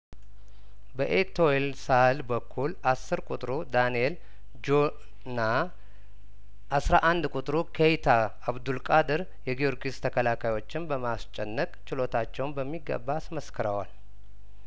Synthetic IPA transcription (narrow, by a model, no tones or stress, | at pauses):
bəʔet̪ʰoelsahalbəkʰːulasːɨɾkʼut̪ʼɾud̪anijel | d͡ʒo | na | ʔːsɾaʔand̪kʼut̪ʼɾukʰejt̪ʰaː | βd̪ulkʼad̪ɨɾ | jɛɡijoɾɡʼist̪ʰəkʰəlakʰajwo̞t͡ʃːɪnbəmast͡ʃʼɛnːəkʼt͡ʃɪlo̞t̪ʰat͡ʃːɛwnbəmːiɡə̰bːasməskʰəɾəwal